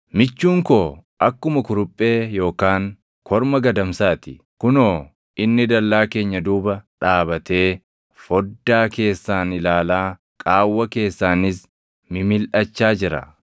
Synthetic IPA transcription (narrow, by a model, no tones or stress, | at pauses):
mɪt͡ʃːuːŋkoːʔɐkːʊmɐkʊɾʊpʼːe̞ːjo̞ːkaːŋ | kʰɔɾmɐɡɐd̪ɐmsaːt̪ɪ | kʊnoː | ɪnːɪd̪ɐlːaːke̞ːɲːɐd̪uːbɐᶑaːbɐt̪e̞ː | fɔd̪ːaːke̞ːsːaːnɪlaːlaː | kʼaːwːɐke̞ːsːaːnɪs | mɪmɪlʔɐt͡ʃːaːd͡ʒɪɾɐ̰